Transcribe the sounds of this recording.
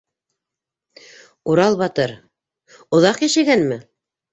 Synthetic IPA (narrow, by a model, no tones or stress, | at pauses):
uɾɑlˠbɑt̪ɤɾ | ŏðɑqjæʃɘɡænmɘ